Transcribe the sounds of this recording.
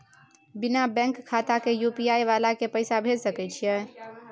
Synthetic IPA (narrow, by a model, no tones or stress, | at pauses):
binabɛ̃ŋkkʰːat̪akejupiajʋalakepəɪsabʱelsəkɛt͡ʃʰijɛ